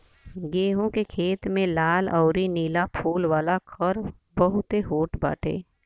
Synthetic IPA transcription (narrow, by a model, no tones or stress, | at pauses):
ɡeːɦõkekʰeːt̪mẽlaːlɔːɾiniːlapʰuːlʋaːlakʰəɾ | bəɦʊt̪eɦoːʈʰba̰ːʈʰḛː